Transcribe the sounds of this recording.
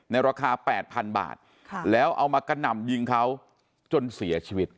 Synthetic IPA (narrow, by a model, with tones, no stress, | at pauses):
na˧jɾaː˧kʰaː˧pɛ̰ː˨˩t̪̚pʰa˧nba̰ː˨˩t̪̚ʰlɛː˦˥wʔa˧wmaː˧ka˧nːa˨˩mjɯ˧ŋkʰa˦˥w | t͡ɕo˧nsi˩˦ɐt͡ɕʰiː˧wi˦˥t̪̚